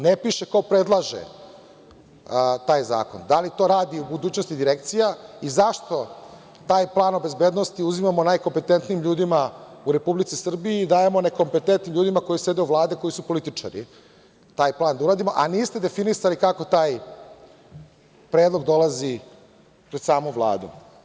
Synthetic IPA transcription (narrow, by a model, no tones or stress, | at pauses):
nepiʃe̞ko̞pɾe̞d̪lˠaʒḛ | t̪aːjza̰ːko̞̰nd̪alit̪o̞ɾaːd̪iubud̪uːt͡ɕnost̪id̪iɾekt̪sijaizaʃt̪o̞ | t̪aːjplˠaːno̞be̞zbeːd̪nost̪iuzimamo̞naːjkompet̪ent̪niːmʎuːd̪ima | uɾe̞publit̪sisr̩bijiːd̪aːjemo̞ne̞ko̞mpe̞t̪ent̪niʎuːd̪imako̞jise̞d̪euʋlˠaːd̪eko̞isupo̞lit̪it͡ʂa̰ɾḭ | t̪aːjplˠaːnd̪auɾaːd̪imoʔaniːst̪e̞d̪e̞finisalikako̞t̪aːj | pɾe̞ːd̪lˠo̞ɡd̪o̞lazi | pɾed̪saːmuvlˠa̰ːd̪ṵ